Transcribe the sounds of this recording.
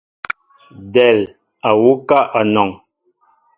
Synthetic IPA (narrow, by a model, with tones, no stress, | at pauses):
dɛ˨l | a˨wu˦ka˦ʔa˨nɔ˨ŋ